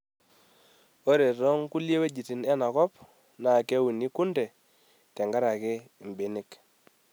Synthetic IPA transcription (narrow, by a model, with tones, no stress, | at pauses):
o˦ɾe˨tɔ˦ŋku˦lje˦we˦d͡ʒi˨ti˨nɛ˦na˨kɔ˦p | na˨ke˦wu˨ni˦ku˦ndɛ˨ | tɛ˨ŋɡa˦ɾa˨kɪ˦˨mbe˨ni˦˨k